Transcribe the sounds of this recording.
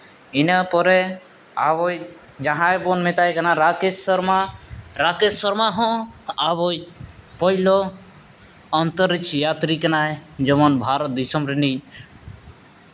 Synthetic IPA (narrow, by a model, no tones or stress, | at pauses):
inapɔɾe | a̰βɔj | d͡ʒaɦãebɔnmet̪ajkanaɾakesɔɾmaɾakesɔɾmaɦɔ̃aβojpɔilo | ɔnt̪ɔɾit͡ʃjat̪ɾiknajd͡ʒɔmɔnbʱaːɾɔt̪̚d̪isɔmɾini